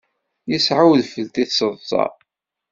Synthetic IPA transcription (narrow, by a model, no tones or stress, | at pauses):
jəsʕawðfəlt̪iθsəðˤsˤɑ̰ˤ